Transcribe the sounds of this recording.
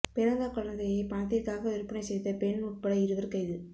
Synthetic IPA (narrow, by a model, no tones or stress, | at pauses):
pɪɾɐŋɡ̪akɔlɐnd̪ɐjɐɪpɐɳɐt̪̬ːɪrkaːɣɐʋɪɾpːɐnɐɪsɛjt̪ːɐpɛɳnuːʈ̚pɐɽɐɪɾɯʋɐɾkɐɪðɯ